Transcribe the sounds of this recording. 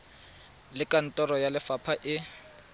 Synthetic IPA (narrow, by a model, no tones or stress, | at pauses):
lɪkʼan̩tʼɔrɔjalɪfapʰaʔɪ